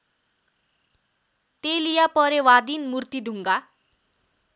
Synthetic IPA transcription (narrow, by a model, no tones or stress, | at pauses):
t̪elijapʌɾewad̪inmurt̪id̪ʱuŋɡa